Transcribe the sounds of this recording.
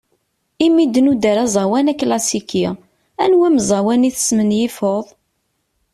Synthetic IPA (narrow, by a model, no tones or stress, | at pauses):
imid̪nud̪əɾæzˤɑwænækːlɑsiki | ænwæməzˤɑwæniθə̥smənjifoðˤ